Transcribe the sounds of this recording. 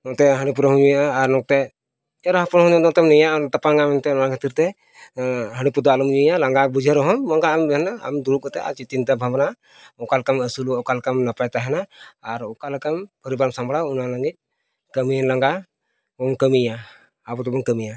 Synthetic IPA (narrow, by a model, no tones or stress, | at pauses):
nɔt̪ɛɦəɽ̃ip̬uɾɔɦɔmd͡ʒuijaʔaːɾnɔk̚t̪ɛ | ɛɾɔɦapɔnɦɔ̃d͡ʒɔd̪ɔt̪ɛmnɛjat̪apaŋamɛnt̪ɛnnakʰət̪iɾt̪ɛ | ɦəɽipud̪aalɔmd͡ʒuijalaŋɡakbud͡ʒʱəɾɔɦɔmːɔŋɡaːmbɛɦɛnaa̰md̪uɾukɔt̪ɛa̰t͡ʃit̪int̪abʱabna | ɔkalkaməsuluɔkalkamnapajt̪aɦɛnaːɾɔkalkampəɾibaɾmsambɽaunaləɡit̪̚ | kəminlaŋɡa | ɔnkəmijaː | bɔt̪ɔbɔnkəmija